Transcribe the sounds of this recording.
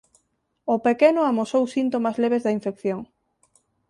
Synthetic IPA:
opekenoamosowsint̪omazleβ̞ezðɐiɱfekθjoŋ

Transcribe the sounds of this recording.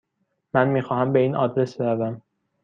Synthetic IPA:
mænmiːxɒːhæmbe̞iːnɒ̰ːd̪ɾe̞sbeɾævæm

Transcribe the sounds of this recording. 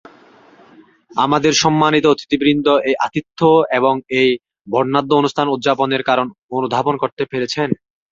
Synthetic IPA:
amad̪eɾʃɔmːanit̪ot̪i̥t̪ibɾind̪ʱoʔejʔat̪it̪ʰːoeboŋej | bʱɔɖnad̪ːoonustʰanud̪ʑaponeɾkaɾononud̪ʱaponkoɾt̪epeɾet͡ɕʰen

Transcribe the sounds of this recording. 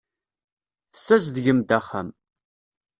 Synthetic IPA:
θsːæzðʝəmd̪æχə̰m

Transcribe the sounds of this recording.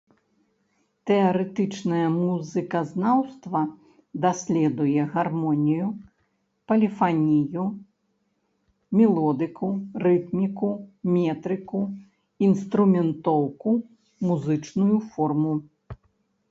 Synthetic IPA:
t̪ɛɐɾɛt̪ɨt͡ʂnɐjɐmuzɨkɐznawst̪vɐ | d̪asʲlʲɛd̪ujɛɣarmɔnʲiju | pɐlʲifanʲiju | mʲɛlˠɔd̪ɨkurɨt̪mʲikumʲɛt̪ɾɨku | inst̪ɾumʲɛnt̪ɔwku | muzɨt͡ʂnujufɔrmu

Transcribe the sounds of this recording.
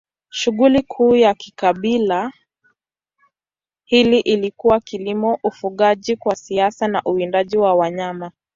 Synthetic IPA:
ʃuɣulikʰuːjakikaɓila | hiliʔilikuwakilimɔʔufuɠaʄikwasiasanaʔuindaʄiwawaɲama

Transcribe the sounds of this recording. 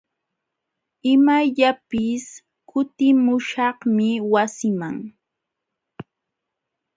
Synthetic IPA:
ɪmaʎapɪs | kʊt̪ɪmʊʃɑhmɪwasɪmaŋ

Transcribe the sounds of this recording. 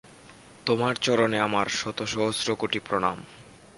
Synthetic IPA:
t̪omaɾt͡ɕɔɾoneamaɾʃɔt̪oʃɔɦosɾokoʈipɾoɽ̃a̰m

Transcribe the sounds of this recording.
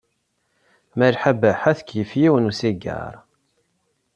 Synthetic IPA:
məɾħabəħæθəkjəfjiwənusiɡə̰ɾˤ

